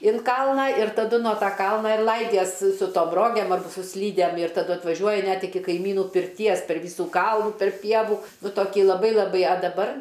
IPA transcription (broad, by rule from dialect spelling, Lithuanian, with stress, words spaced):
ɪn ˈkɐlˠnɑː ɪr tɐˈdʊ nuɔ ˈtɐ ˈkɐlˠnɐ ɪr ˈlˠɐɪdʲiɛs sʊ toːm ˈroːɡʲɛm ɐr sʊ ˈsʲlʲiːdʲɛm ɪr tɐˈdʊ ɐtʋɐˈʒʲuɔjɪ ˈnʲɛt ɪˈkʲɪ kɐɪˈmʲiːnuː pʲɪrʲˈtʲiɛs pʲɛr ˈʋʲiːsuː ˈkɐlˠnuː tɐrp ˈpʲiɛʋuː nʊ toːˈkʲɪ lˠɐˈbɐɪ lˠɐˈbɐɪ ɐ dɐˈbɐr